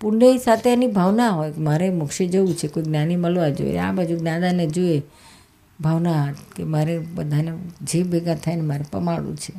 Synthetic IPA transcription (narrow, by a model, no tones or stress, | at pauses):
puɾneisat̪ʰeanibʱaʋnaɦojmaɾemʊkʃed͡ʒəũt͡ʃʰekoiɡnaniməlʋãd͡ʒo̰ḛnḛa̰bʱad͡ʒuɡnãd̪aned͡ʒoe | bʱaʋnaɦət̪kemaɾebəd̪ʱaned͡ʒebeɡat̪ʰajnemaɾepə̰maɽṵ̃t͡ʃʰe